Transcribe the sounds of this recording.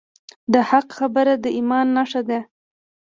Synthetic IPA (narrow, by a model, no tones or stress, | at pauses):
d̪əhaqxabəɾad̪əʔimɑnːaʂad̪e